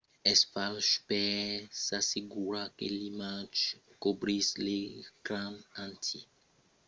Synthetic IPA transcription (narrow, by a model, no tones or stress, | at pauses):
ɛsfalʃpɛsaseɡuɾakḛlimad͡ʒkobɾislekɾãmãnt̪ʰi